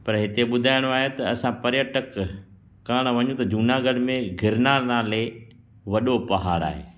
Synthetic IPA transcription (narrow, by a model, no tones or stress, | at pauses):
pɐɾɦɪt̪eɓʊd̪ʱaːɪɽ̃oaːɦet̪ɐɐsãpɐɾjəʈək | kaːɽ̃ʋɐ̃ɲũt̪ɐd͡ʑuːnaɡɐɽmẽɡʱɪɾnanaːle | ʋɐɗopɐɦaːɾa̰ːɦḛː